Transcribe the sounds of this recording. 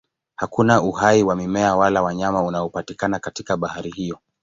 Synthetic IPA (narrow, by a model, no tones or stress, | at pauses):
hakunauhaiwamimɛawalawaɲamaunaɔpatikanakatikaɓahaɾihijɔ